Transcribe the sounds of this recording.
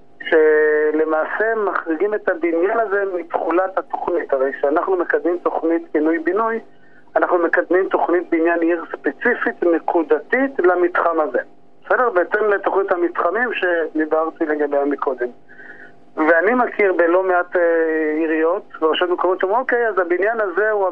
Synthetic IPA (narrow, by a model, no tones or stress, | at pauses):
ʃe̞le̞maːse̞maχʁiɡimetabinjanazemitχulathato̞χnithaʁejkʃeanaχnumekad̪mimto̞χnit̪binujbinuj | anaχnume̞kad̪mimto̞χnit̚beinjaniʁspet͡sifitne̞kʰud̪atitlamit̪χamaze | besedeʁbeetemletoχnithamitχamimʃe̞dibaʁtile̞ɡabejamikʰo̞d̪e̞m | veanimakʰiʁbelo̞meateiʁio̞tveaʃotmekomot̪t͡ʃmoke̞jazabinjanaze̞ua